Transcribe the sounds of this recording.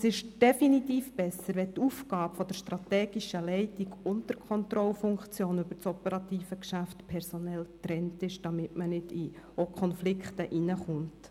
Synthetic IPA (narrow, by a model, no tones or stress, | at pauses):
sɪʃd̥ɛfinit̪iːfb̥ɛsːəɾʋɛt̪ufɡɑːbfɔd̥əɾʃtɾɑtɛːɡ̥iʃəlɛɪtiɡʊntəɾkʰɔnt̪ɾɔlfʊŋkt͡sjoːnʏb̥əɾt͡sɔpəɾɑtiːfəkʃæftpʰɛɾsɔnɛltɾɛntɪʃd̥ɑmɪtmənɪdi | okʰɔnflɪkχtəʔinəχʊnt